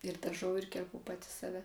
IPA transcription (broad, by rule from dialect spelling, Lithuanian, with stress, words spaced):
ɪr dɐˈʒɐʊ ɪr kʲɛrˈpʊ ˈpɑːtʲɪ sɐˈʋʲɛ